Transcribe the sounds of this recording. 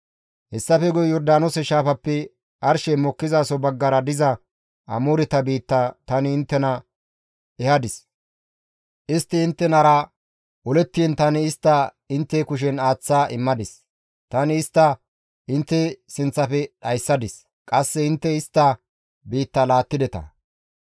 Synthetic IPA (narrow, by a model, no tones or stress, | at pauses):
hɛsːɐfɛɡɔjjɔɾd̪aːnosɛʃaːfɐpːɛ | ʔɐɾʃɛmɔkːɪzaːsɔbɐɡːɐɾɐd̪ɪzɐ | ɐmuɾɪt̪ɐbiːt̪ːɐt̪ɐnɪːnt̪ːɛnɐ | ɛhɐd̪ɪs | ʔɪst̪ːɪɪnt̪ːɛnɐɾɐ | ʔɔlɛt̪ːɪnt̪ɐnɪɪst̪ːɐ | ɪnt̪ːɛkʊʃ̬ɛnaːt͡sːaːʔɪmːɐd̪ɪs | t̪ɐnɪɪst̪ːɐ | ɪnt̪ːɛsɪnt͡sːɐfɛɗɐjsːɐd̪ɪs | kʼɐsːɛɪnt̪ːɛɪst̪ːɐ | biːt̪ːɐlaːt̪ːɪd̪ɛt̪ɐ̰